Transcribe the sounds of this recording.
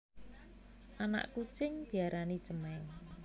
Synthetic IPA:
ʔana̰ʔkut͡ʃɪŋb̥i̤aɾʔani̥d͡ʒəmɛŋ

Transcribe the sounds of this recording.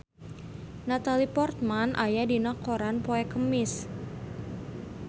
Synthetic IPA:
nat̪alipɔrt̪̚manʔajadinɔkɔɾanpoɛkəmɪs

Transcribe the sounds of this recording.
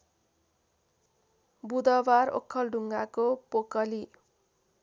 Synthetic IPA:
bud̪ʌbaro̰kʰːʌlɖʱuŋɡakopokʌli

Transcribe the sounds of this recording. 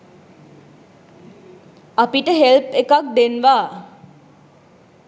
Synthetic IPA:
apiʈəɦelpekak̚d̪enʋaː

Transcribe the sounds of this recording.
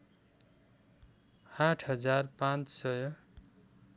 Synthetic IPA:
aʈʰɦʌd͡zarpãnt͡ssʌjʌ

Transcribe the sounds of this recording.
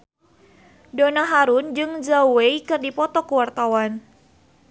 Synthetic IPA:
donaɦaɾʊnd͡ʒɨŋd͡ʒaweikɨrdipɔt̪ɔkuwart̪awan

